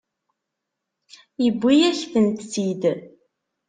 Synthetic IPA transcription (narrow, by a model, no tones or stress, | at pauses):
jəbʷːijæçfənt̪sid̪